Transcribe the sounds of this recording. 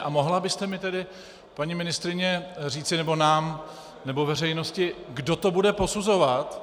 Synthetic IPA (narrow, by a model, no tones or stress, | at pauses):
ʔamo̞ɦlabɪst̪ɛmɪt̪ɛdɪ | paɲimɪnɪst̪ɾɪɲɛr̝iːt͡sɪnɛbo̞naːm | nɛbo̞vɛrɛjno̞scɪɡdo̞t̪o̞budɛpo̞suzo̞vat̪